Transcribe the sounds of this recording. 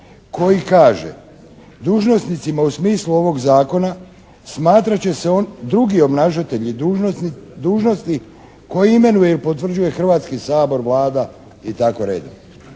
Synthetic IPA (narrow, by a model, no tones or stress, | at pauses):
ko̞jikaːʒe̞̰ | d̪uːʒno̞snit̪simausmiːsluo̞ʋo̞ɡzaːko̞na | smaːt̪ɾat͡ɕe̞seo̞nd̪ɾuɡio̞bnaʃat̪e̞ʎi | d̪uːʒno̞st̪i | ko̞jiime̞nuje̞ilpo̞t̪ʋr̩d͡ʑuje̞xr̩ʋaːt̪skisaːbo̞ɾʋlaːd̪a | it̪ako̞ɾḛːd̪o